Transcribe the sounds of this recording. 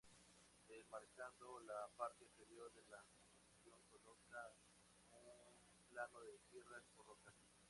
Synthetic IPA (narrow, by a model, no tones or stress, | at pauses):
emaɾkand̪olapaɾt̪efeɾjoɾðelakou | sjo̞ŋkoloka | un | planoðesiresporlokas